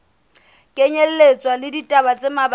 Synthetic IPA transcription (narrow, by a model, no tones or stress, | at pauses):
kʼeɲel̩let͡sʼwalɪditʼabat͡sʼɪmab